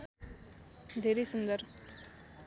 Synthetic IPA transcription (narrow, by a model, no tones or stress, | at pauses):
d̪ʱeɾisund̪əɾ